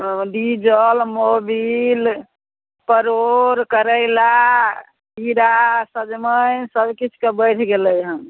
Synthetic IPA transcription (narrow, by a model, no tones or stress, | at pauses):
ɖid͡ʒəlmobil | pəɾoɾkəɾəɪla | piɾasəd͡ʒməjsəbkit͡ʃʰkebəɪʈʰɡeləjɦəm